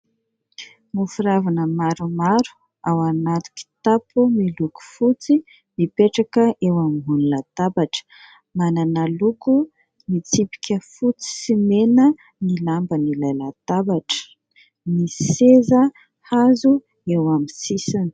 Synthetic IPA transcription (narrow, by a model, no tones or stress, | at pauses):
mufuɾavanəmaɾumaɾu̥ | awanat̪u̥ki̥t̪apumiluku̥fut͡si | mipeʈ͡ʂakəʔewamiɦunulat̪abaʈ͡ʂə̥ | mananaluku | mit͡sipi̥kʲəfut͡si̥simenə | nilambənilajlat̪abaʈ͡ʂə̥ | misezə | hazu | ewamisisani̥